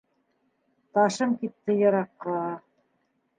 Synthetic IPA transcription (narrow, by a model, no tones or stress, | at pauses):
t̪ɑʃɤmkit̪ːɘjɑ̆ɾɑqːɑ